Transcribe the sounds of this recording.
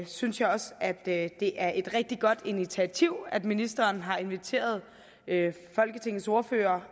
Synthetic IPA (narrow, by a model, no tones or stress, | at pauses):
synsjɑ̈ɪɒ̽sæd̥d̥e̝ʔæɐʔe̝d̥ʁɛɡ̥̚d̥iɡ̥ɒ̽d̥init͡sʰiæt͡sʰiʊ̰æd̥minisd̥ɐːnɦɑ̈e̝nʋit͡sʰe̝̰ːɐð̞̩ˠ | fɒ̽lɡ̥ət͡sʰe̝ŋ̰n̩so̝ɐfø̰ːɐ